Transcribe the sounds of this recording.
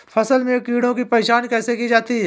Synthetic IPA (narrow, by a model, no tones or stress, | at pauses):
fʰɐsəlmẽkiːɽõkipɐeːʃaːnkɛːsekid͡ʒaːt̪iɦɛː